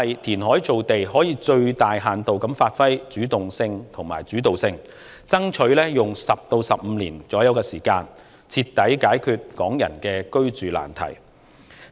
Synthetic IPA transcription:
ɐ˨jt̪ʰiː˨˩nɦɔː˨˥jt͡so˨wt̪e˨jɦɔː˨˥jiː˨˧t͡ʃɵ˧ɥt̪aː˨jɦaː˨˩nt̪o˨wkɐ˨˥mfaː˧t̚fɐ˥jt͡ʃyː˨˥t̪ʊ˨ŋsɪ˧ŋt̪ʰʊ˨˩ŋmaː˨˩jt͡ʃyː˨˥t̪o˨wsɪ˧ŋ | t͡sɐ˥ŋt͡ʃʰɵ˨˥ɥlɛː˥jʊ˨ŋsɐ˨p̚t̪o˧wsɐ˨p̚m̩˨˧lḭː˨˩nt͡sɔː˨˥jɐ˨˥wkɛː˧siː˨˩kaː˧n | t͡sʰiː˧t̪ːɐ˨˥jkaː˨˥jkʰyː˧t̚kɔː˨˥ŋjɐ̰˨˩nkɛː˧kɵ˥ɥt͡ʃyː˨la̰ː˨˩nt̪ʰɐ̰˨˩j

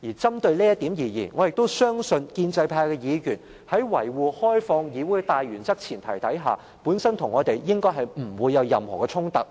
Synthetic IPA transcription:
jiː˨˩t͡sɐ˥mt̪ɵ˧ɥliː˥jɐ˥t̪i˨˥mjiː˨˩jiː˨˩nŋɔː˨˧jɪ˨k̚t̪o˥wsœː˥ŋsɵ˧nkiː˧nt͡sɐ˧jpʰaː˧jkɛː˧jiː˨˧jyː˨˩n | hɐ˨˥jwɐ˨˩jwuː˨˧hɔː˥jfɔː˧ŋjiː˨˧wuː˨˥˧t̪aː˨jɥyː˨˩nt͡sɐ˥k̚t͡sʰiː˨˩nt̪ʰɐ˨˩jt̪ɐ˨˥jɦa̰ː˨ | puː˨˥nsɐ˥nt̪ʰʊ˨˩ŋːɔː˨˧t̪e˨jjɪ˥ŋkɔː˥jɦɐ˨jm̩˨˩wuː˨˧jːɐ˨˧wjɐ˨mhɔ̰ː˨˩kɛ˧t͡sʰʊ˥ŋt̪ɐ˨˩k̚

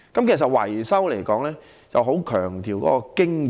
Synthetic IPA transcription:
kɐ˨˥mkʰe˨˩sɐ˨t̚wɐ̰˨˩jsɐ˥wle˨˩jkɔː˨˥ŋlɛː˥ | t͡sɐ˨wɦo˨˥wkʰœː˨˩ŋt̪iː˨˩wkɔ̰ː˨˥kɔː˧kɪ˥ŋ

